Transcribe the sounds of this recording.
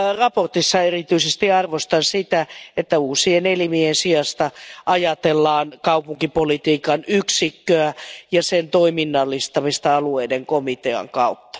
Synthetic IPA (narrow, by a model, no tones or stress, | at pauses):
rɑport̪isːɑerit̪yisest̪iɑrʋost̪ɑnsit̪æet̪ːæuːsienelimiensiɑst̪ɑʔɑjɑt̪elːɑːnkɑupuŋkipolit̪iːkɑnyksikːøæjɑsent̪oiminːɑlːist̪ɑmist̪ɑɑlueideŋkomit̪eɑ̰ŋkɑut̪ːɑ̥